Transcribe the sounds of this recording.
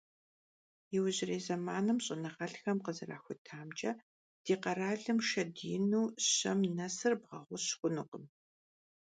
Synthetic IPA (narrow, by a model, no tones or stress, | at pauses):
jɪwʑɪreːzɐmaːnɨmɕʼɪnɐʁɐɬxɐmqəzɨra̰ːxʷʊtʰaːmt͡ʃʼɐ | d̥iːqɐɾaːɮɨmʃɐdiːnuːɕɐmnɐsɨrbʁɐ̰ʁʷʊɕxʷʊnɨqəm